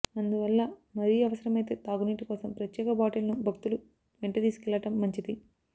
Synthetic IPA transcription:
ɐnd̪uʋɐlːɐmɐɾijɐʋɐsɐɾɐmɐjt̪e̞ːt̪aːɡuniːʈikɔːsɐmpɾɐt̪jɛːkɐbaːʈɐlɐnubʱɐkt̪ulu | ʋeɳʈit̪iːsu̥kɛlːɐʈɐmːɐɲt͡ʃid̪i

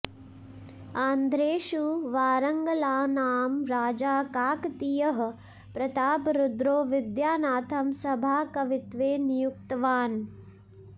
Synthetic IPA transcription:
aːnd̪ʱɾeːʃuʋaːɾɐŋɡɐlaːnaːmɾaːd͡ʒaːkaːkt̪ijɐɦɐ | pɾɐt̪aːpɾud̪ɾoːʋɪd̪jaːnaːt̪ʰɐmsɐbʱaːkɐʋɪt̪ʋeːnijukt̪ɐʋaːn

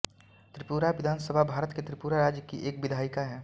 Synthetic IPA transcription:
t̪ɾɪpuːɾaʋɪd̪ʱaːnsəbʱabʱaːɾət̪ket̪ɾɪpuːɾaɾaːd͡ʒjəkiʔeːk̚bɪd̪ʱaːɪkaɦɛː

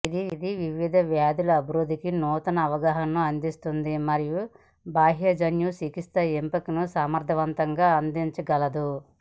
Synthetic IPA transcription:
id̪iid̪iʋiʋid̪ɐʋjaːd̪ulɐɐbiɾud̪ʱːikinuːt̪ɐnɐːʋɐɡaːɦɐnːuɐnd̪ist̪und̪imɐɾiju | baːɦjɐd͡ʒɐnjusikist̪ɐempɐkinusaːmɐɾd̪ʱɐʋɐnt̪ɐŋɡaːɐnd̪iɲt͡ʃɐɡɐlɐd̪u

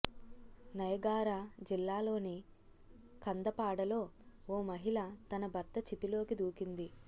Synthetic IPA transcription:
nɐjɐɡaːɾad͡ʒilːaːlo̞ːni | kʰɐnd̪ɐpaːɽɐlo̞ːoːmɐɦilɐt̪ɐnɐbʱɐɾt̪ɐt͡ʃit̪ilo̞ːkid̪uːkind̪i

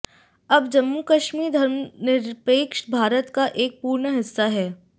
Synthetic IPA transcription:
ɐbd͡ʒɐmːukɐʃmiːɾd̪ʱɐɾmnɪɾpeːkʃbʱaːɾət̪kaʔeːk̚puːɾɳɦɪsːaɦɛː

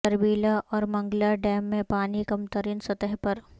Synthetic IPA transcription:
ɐɾbiːlaʔɔːɾmɐ̃ŋɡlaɖɛːmːẽpaːnikɐmt̪əɾiːnsɐt̪əɦpɐɾ

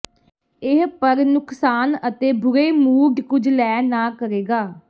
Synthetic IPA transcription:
ɪɦpəɾnʊksaːnət̪eːbʊɾeːmuːɖkʊd͡ʒlɛːnãːkəɾeːɡaː

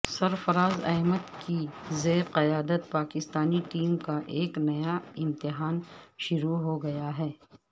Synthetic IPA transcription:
sɐɾfɐɾaːzɐ̰ːməd̪kizeːɾqɐjaːd̪ət̪̚paːkɪst̪aːniʈiːmkaʔeːknɐjaɪ̃mt̪ɪɦaːnʃʊɾuɦoɡɐjaɦɛː

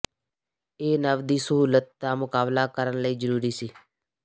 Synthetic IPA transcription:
eːnəʋd̪iːsəɦuːlət̪̚d̪aːmʊkaːblaːkəɾənləiːzəɾuːɾiːsiː

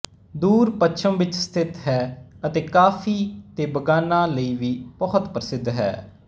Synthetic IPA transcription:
d̪uːɾpəʃʰəmʋɪt͡ʃst̪ʰɪt̪ɦɛːət̪eːkaːfʰiːt̪eːbəɡaːnãːləiːʋiːbəɦʊt̪pɾəsɪd̪ʱɦɛ̰ː

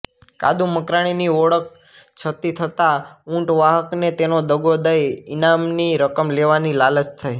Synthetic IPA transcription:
ka̰d̪uməkɾaɽ̃iniɔɽək̚ | t͡ʃʰət̪it̪ʰət̪aũɳʈʋaɦəknet̪enod̪əɡod̪əjinamniɾəkəmleʋanilalət͡ʃt̪ʰaj

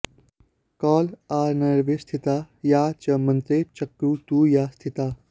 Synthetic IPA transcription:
kɔːlaːɾnɐɾʋest̪ʰit̪aː | jaːt͡ʃɐmɐ̃nt̪ɾet͡ʃɐkːuːt̪ujaːst̪ʰit̪aː

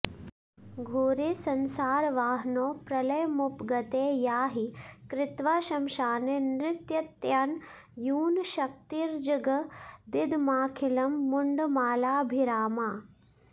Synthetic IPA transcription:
ɡʱoːɾesɐnsaːɾʋaːɦnoːpɾɐlɐjmupɡɐt̪eːjaːɦikɾɪt̪ʋaːʃɐmʃaːnenɾɪt̪jɐt̪jaːn | juːnʃɐk̚t̪iːɾd͡ʒɐɡɐd̪ɪd̪ʱmaːkʰilɐmːuɳɖmaːlaːbʱiɾaːmaː

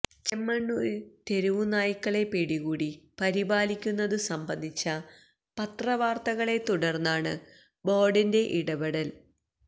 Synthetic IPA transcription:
t͡ɕemːɐɳːut̪e̞ɾuʋunaːjikːɐɭe̞peːɽiɣuːɽipɐɾibaːlikʲːunːɐðɨsɐmbɐnd̪ʱit͡ɕːɐ | pɐt̪rɐʋaːrt̪ɐɣɐɭe̞t̪uɽɐrnːaːɳɨ | bo̞ːɖinde̞ʔiɽɐbɐɽɐl

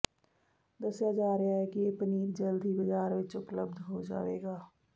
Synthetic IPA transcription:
d̪ɐsjad͡ʒaːɾəɦaɦɛkijeːpəniːɾd͡ʒəld̪ibəd͡ʒaːɾʋɪt͡ʃʊpləb̚d̪ʱɦod͡ʒa̰ːʋḛːɡaː

